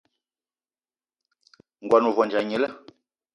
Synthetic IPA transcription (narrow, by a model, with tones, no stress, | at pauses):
ŋ̩˨ɡwa˨nu˨vɔ˨nd͡ʒa˨ɲe˨˦lə˦